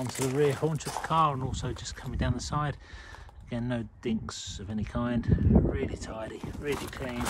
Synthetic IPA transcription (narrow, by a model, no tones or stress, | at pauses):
ɔ̃ŋtʰəðəɹɪəhɔɹnt͡ʃəvðəkʰɑːɹə̃nɔˑlˠsoʊd͡ʒʌskʰʌmɪ̃ŋdãʊ̃nðəsaɪd̥əɡ̥ɛ̃nːoʊd̥ɪ̃ŋksəvɛnikʰãɪ̃nd̥ɹɪlˠitʰaɪɾiɹɪlˠikʰl̥ĩɪ̃n